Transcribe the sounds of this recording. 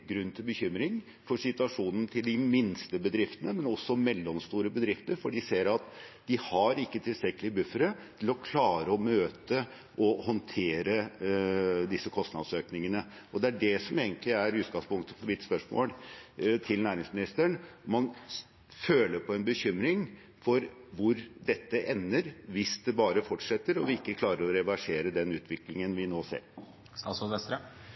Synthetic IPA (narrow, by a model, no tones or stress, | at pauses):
ɡɾʉnːt̪ʰɪlbəçʏmɾɪŋ | fɔʂɪt̪ʉɑʂuːnn̩t̪ʰɪld̪ɪmɪnst̪əbəd̪ɾɪft̪ənəmɛnɔsːɔmɛlːɔmst̪uːɾəbəd̪ɾɪft̪əɾfɔɖɪseːɾɑt̪d̪ɪhɑɾɪkːət̪ʰɪlsɾɛkːəlɪəbʉfəɾət̪ʰɪlɔkʰlɑːɾəɔmøːt̪ə | ʔɔhɔnt̪ʰeːɾə | d̪ɪsːəkʰɔst̪nɑ̰d̪søːknɪŋənə | ɔd̪ɛæɖɛsɔmeːɡənt̪lɪæɾʉːt̪̚ɡɑŋspʊŋt̪ə̥fʰɔʋɪt̪spœʂmo̰ːlt̪ʰɪlnæːɾɪŋsmɪnɪst̪əɳɔmːɑn | føːləɾpʰɔɛnbəçʏmɾɪŋ | fɔɾʋʊɾd̪ɛt̪ːəʔɛnːəɾʋɪsd̪ɛbɑːɾəfɔʈʂɛt̪ːəɾɔʋɪɪkːəkʰlɑːɾəɾɔɾɛʋæʂeːɾəd̪ɛnʉːt̪ʰʋɪklɪŋənʋɪnoːsḛːɾ | sɑsɔɛt̪ɾə